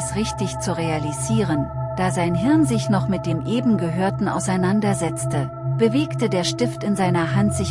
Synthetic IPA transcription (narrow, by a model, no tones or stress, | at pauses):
sʁɪçtɪçt͡suʁealiziːʁ̞ənd̥aːzaɪnɦɪɐnzɪçnɔχmɪt̚d̥eːmʔeːbm̩ɡəɦøːɐtn̩a̰ʊsaɪnandɐzɛt͡stə | b̥əveːktədeːɐʃtɪftɪnzaɪnɐɦantz̥ɪç